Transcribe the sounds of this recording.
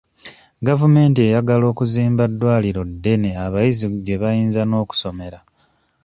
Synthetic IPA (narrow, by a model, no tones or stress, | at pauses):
ɡavume̞ːntie̞jaɡalo̞ːkuziːmbadːwaːliɾo̞dːe̞neaβajiziɟe̞βajiːnzano̞ːku̥so̞me̞ɾa